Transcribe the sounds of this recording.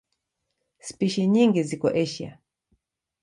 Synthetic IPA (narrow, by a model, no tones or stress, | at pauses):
spiʃiɲiŋɡizikɔ̰ʔɛʃia̰